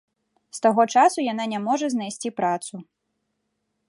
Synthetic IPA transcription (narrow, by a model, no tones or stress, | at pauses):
st̪aɣɔt͡ʂasujan̪anʲɛmɔʐɐznajsʲt͡sʲipɾat̪su